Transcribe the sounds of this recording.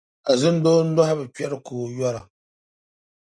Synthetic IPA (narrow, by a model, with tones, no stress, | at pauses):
a˨zɨ˦n˦doː˦n̩˦dɔ˦ha˦bɨ˨pɛ˦ɾɨ˦koː˨jɔ˦ɾa˨